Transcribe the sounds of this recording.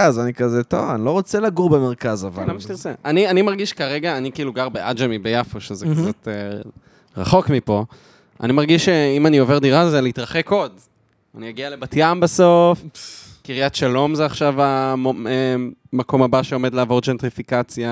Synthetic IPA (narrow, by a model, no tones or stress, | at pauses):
azanikazet̪o̰vanilo̞ʁot͡selaɡuʁbemeʁkazavalamaʃtiʁt͡seʔanianimaʁɡiʃkaʁeɡaːnikiiːluɡaʁbeʔad͡ʒemibejafoʃezekt͡sat̪e | ʁa̰χo̞kmipo̞ | a̰nimaʁɡiʃeimanio̞ve̞ʁd̪iʁazeleitʁaχe̞ko̞d | anijaɡiale̞batjambaso̞fkiʁijat̪ʃalo̞mzeaχʃavaemako̞mabaʃeo̞me̞d̪leaːvo̞ʁd͡ʒent̪ʁifikat͡sja